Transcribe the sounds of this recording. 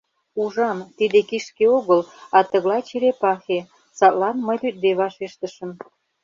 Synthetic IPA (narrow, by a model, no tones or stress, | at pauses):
uʒɑmt̪id̪ekiʃkeoɣəlɑt̪ə̆ɣlɑjt͡ɕeɾepɑxe | sɑt̪lɑnməjlyt̪̚d̪eβɑʃeʃt̪əʃə̆m